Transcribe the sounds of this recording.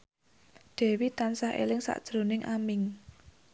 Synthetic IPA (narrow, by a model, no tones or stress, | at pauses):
ɖ̥ɛ̤wit̪ansahʔḛlɪŋsa̰ʔd̥ʒ̥ɾo̤nɪŋʔamɪŋ